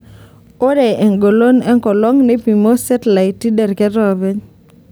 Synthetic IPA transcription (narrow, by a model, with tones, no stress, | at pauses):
o˦ɾɛ˨e˨ŋɡo˨lo˦nɛ˦ŋkɔ˨lɔ˦ŋne˦pi˨mo˦sɛ˦tla˨i˨tːi˦dɛ˨rkɛ˦ɾɔ˨be˦ɲ